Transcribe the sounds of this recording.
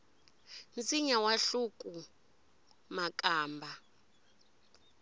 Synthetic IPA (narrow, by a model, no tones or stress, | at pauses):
nt͡sʼiɲawaɬukʼu | makʼaːmbʱa